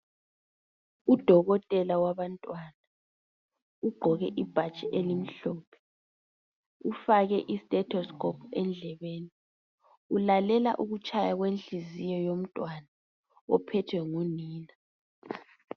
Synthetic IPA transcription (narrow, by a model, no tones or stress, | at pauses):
ud̥ʱɔɣɔtʼɛlawaβantʼwana | uɡ͡ǃʱɔɣɛʔib̥ʱat͡ʃʼɛʔelim̩ɬɔːpʰɛ̥ | ufaɣɛʔistʼɛtʰɔskʰɔpʰɛnd͡ɮʱɛβeːni | ulalɛla̰ʔuɣut͡ʃʼajaɣwenɬizijɔjom̩tʼwana | ɔpʰɛtʰwɛŋuniːna